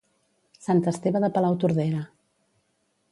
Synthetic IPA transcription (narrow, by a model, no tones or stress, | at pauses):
sant̪əst̪eβəðəpəlawt̪uɾðɛɾə